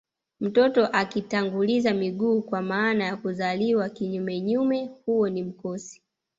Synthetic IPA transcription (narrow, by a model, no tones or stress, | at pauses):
m̩tɔtɔʔakitaŋɡulizamiɠuːkwamaːnajakuzaliwakiɲumɛɲumɛhuwɔnim̩kɔsi̥